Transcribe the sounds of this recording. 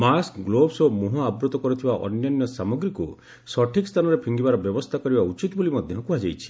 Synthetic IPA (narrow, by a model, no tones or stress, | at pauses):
maskɡlobsɔmuɦɔabɾut̪ɔkɔɾit̪ʰibaʔɔ̰njanjɔsamɔɡɾiku | sɔʈʰikst̪ʰanɔɾepʰiŋɡibaɾɔbjɔbɔst̪ʰakɔɾibaut͡ʃit̪bolimɔd̪ʱjɔŋkuɦad͡ʒajt͡ʃʰi̥